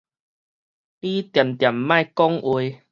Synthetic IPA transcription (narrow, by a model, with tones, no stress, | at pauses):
li˦t̪ja˨˩mt̪ja˨˩mːã˥˧˨jkɔ˦ŋʔwe˧